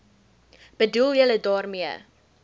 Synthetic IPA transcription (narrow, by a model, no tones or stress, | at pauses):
b̥ədulˠjələdɑːrmiə